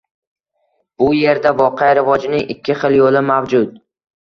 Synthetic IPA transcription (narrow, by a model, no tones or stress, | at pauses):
b̥ʊje̞ɾd̪avɒqʰɑjɾɪvɒd͡ʒɪnɪŋʔɪkʲʰːɪχɨlˠjolɪmavd͡ʒʊd̪